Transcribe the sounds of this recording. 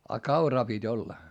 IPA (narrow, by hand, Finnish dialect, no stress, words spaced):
ɑ kɑurɑː pitʲ olːɑ